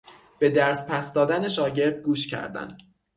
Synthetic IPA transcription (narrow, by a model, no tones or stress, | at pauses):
b̥e̞d̪æɾspʰæsd̪ɒːd̪æneʃɒːɟe̞ɾd̪̚ɡuːʃcʰæ̰ɾd̪æ̰n